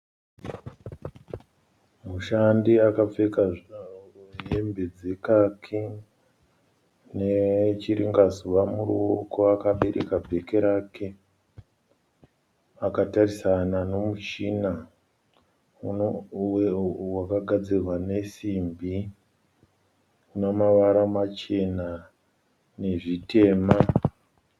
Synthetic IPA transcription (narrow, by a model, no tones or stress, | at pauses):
muʃandiakap͡feka | embe̞d͡ze̞kakʰi | net͡ʃiɾiŋɡazuʋamuruoko̞akaɓe̞ɾʔḛkabʱe̞ke̞ɾaːkʰe̞ | akatarisanano̞mut͡ʃina | wakaɡʱad͡zirwane̞simbi | unomaʋaɾamat͡ʃe̞na | ne̞ʐite̞ːma